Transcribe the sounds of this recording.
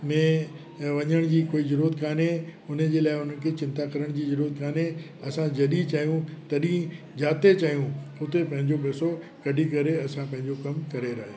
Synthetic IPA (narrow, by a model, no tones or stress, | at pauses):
mɛ̃ː | ʋɐɲəɽ̃d͡ʑiːkoːizɐɾuːət̪kaːnɦeʊn̤ə̆d͡ʑeːlaːɪʊn̤ən̆kʰet͡ɕɪ̃nt̪akɐɾəɽ̃d͡ʑiːzɐɾuːət̪kaːnɦe | ɐsãd͡ʑɐɗit͡ɕaːɦijũt̪ɐɗĩ | d͡ʑaːt̪et͡ɕaːijũʊt̪epɐ̃ɦɪ̃ɲd͡ʑoɓeːso | kɐɖʱikɐɾeɐsãpɐ̃ɦɪ̃ɲd͡ʑokɐmkɐɾeɾaɦeː